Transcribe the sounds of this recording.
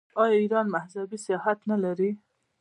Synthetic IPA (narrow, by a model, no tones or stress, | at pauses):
ɑjɑiɾɑnmahzabisɪjɑɦat̪nalaɾi